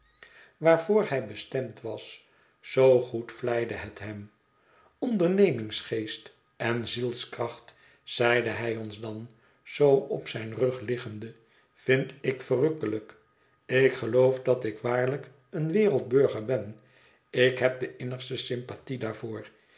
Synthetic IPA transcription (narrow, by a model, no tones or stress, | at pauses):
ʋaːɹvʊːɹhɛjbəstɛmtʋɑs | sowχutflɛjdəɦətɦɛm | ɔndəɹnejmɪŋsχejst | ɛnzilˠskrɑχt | sɛjdəɦɛjɔnzdɑn | z̥owɔpsɛjnrɵχlɪχəndə | v̥ɪntɪkfərɵkələk | ɪkχəlowfdɑtɪkʋaːɹlək | ənʋɪːɾəlˠd̚bɵɹχəɹbɛn | ɪkɦɛp̚dəʔɪnəχstəsɪmpatidaːɹvoːɹ